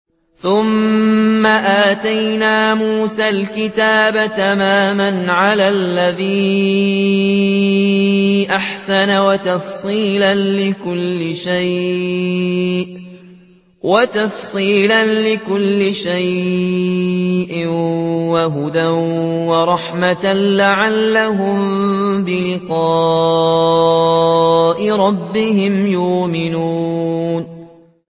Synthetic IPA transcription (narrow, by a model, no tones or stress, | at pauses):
θʊmː | aʔaːt̪ajnaːmuːsaːlkɪt̪aːbat̪amaːmanʕalaːlːaðiː | ʔaħsanawat̪ɑfsˤiːlanlɪkʊlːɪʃaj | ʔ | wat̪ɑfsˤiːlanlɪkʊlːɪʃaj | ʔɪwaɦʊd̪anwɑɾˤɑħmat̪anlaʕalːaɦʊmbɪlɪqɑː | ʔɪɾˤɑbːɪhɪmjʊːmɪnuːn